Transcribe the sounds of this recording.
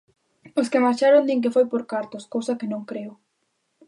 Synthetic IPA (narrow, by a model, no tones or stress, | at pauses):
oskɪmaɾt͡ʃaɾond̪iŋk̬ɪfojpoɾkaɾt̪oskowsakɪnõŋkɾeʊ